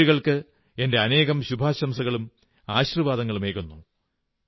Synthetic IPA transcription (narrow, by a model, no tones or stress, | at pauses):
uɣɐɭkɨ | ende̞ɐne̞ːɣɐmɕubʱaːɕɐmsɐɣɐɭum | aːɕiriʋaːd̪ɐŋːɐɭume̞ːkːunːu